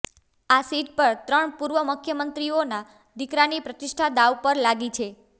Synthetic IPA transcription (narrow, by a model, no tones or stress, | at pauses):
asiʈ̚pəɾt̪ɾəɳpuɾʋəmukʰjəmənt̪ɾiona | d̪ɪkɾanipɾət̪ɪʃʈʰad̪aʋpəɾlaɡit͡ʃʰe